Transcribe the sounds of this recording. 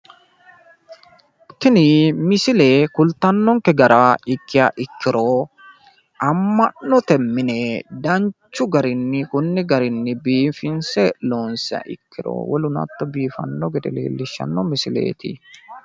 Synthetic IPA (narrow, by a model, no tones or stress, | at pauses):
t̪ːɪnɪmɪsɪleːkʊlt̪ːɐnːɔŋkɛɡɐɾɐɪkːɪjaʔɪkːɪɾɔ | ʔɐmːɐnːɔt̪ɛmːɪnɛd̪ɐɲt͡ʃːʊɡɐɾɪnːɪkʊnːɪɡɐɾɪnːɪbiːfɪnsɛloːnsɪa̰ʔɪ̰kːɪɾɔ̰wɔlʊnɐ̰t̪ːɐbiːfɐ̰nːɔɡɛd̪ɛlḛːlːɪʃːɐ̰nːɔmɪsɪlḛːt̪ɪ